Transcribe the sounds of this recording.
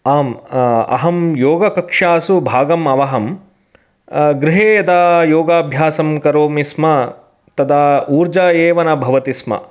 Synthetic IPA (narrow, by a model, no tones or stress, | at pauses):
aːmɐ̰ɦɐmjoːɡɐkɐkʂaːsubʱaːɡɐmɐʋɐɦɐm | ɡɾɪɦeːjɐd̪aːjoːɡaːbʱjaːsɐmkɐɾoːmismɐ | t̪ɐd̪auːɾd͡ʒaːeːʋɐnɐbʱɐʋɐt̪ismɐ̰